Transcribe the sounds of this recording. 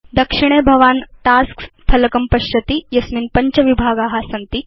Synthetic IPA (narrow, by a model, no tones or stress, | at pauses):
d̪ɐkʂiɽ̃eːbʱɐʋaːnʈ̪aːskt̪ʰɐlɐkɐmpɐɕjɐt̪ijɐsminpɐɲt͡ʃɐʋibʱaːɡaːɦaːsɐnt̪i